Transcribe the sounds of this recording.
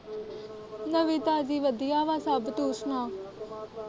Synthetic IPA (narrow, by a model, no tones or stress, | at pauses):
nəʋiːt̪aːd͡ʒiːʋəd̪ijaːʋaːsəbt̪uːsnaː